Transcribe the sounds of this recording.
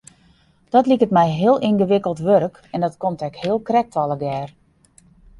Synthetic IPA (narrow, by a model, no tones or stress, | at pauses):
d̥ɔtlikətmɛjɦɪəlˠʔinɡəʋɪkəlˠtʋøɾək | ɛndɔtkomtɛkhɪəlˠkrɛk̚tɔlˠəɡɛːr